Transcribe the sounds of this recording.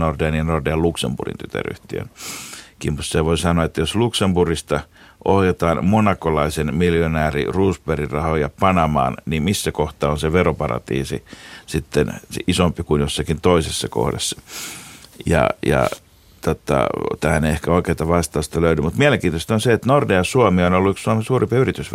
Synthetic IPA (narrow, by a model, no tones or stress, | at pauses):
nordeɑniɑnordeɑluksembṵrḭnt̪yt̪æ̰ry̰ht̪iø̰nkimmut̪seʋoisɑnoɑet̪ːæjosluksemburist̪ɑʔohjet̪ɑːnmonɑkolɑisenmiljonæːrḭruːsperirɑhojɑpɑnɑmɑ̰ːnnimisːækoht̪ɑːonseʋeropɑrɑ̰t̪ḭːsḭsit̪ːenisompikunjosːɑkint̪oisesːɑko̰hdḛsːɑ̥ | jɑ̰jɑ̰ | t̪ot̪ɑ̰t̪æhæneiehkæoˑikeːt̪ɑʋɑst̪ɑust̪ɑløyɾymut̪miæleŋkiːt̪ost̪onseet̪nordejɑsuɑmionolːuykssuɑmesuːrimpiyrit̪ysʋ